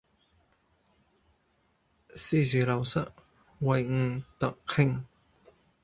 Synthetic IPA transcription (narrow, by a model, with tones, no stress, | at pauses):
si˥˨zyː˨˩lɐ˨˩wsɐ˥ʔ | wɐ˨jŋ̩˨˩t̪ɐ˨kkʰɪ˥˩ŋ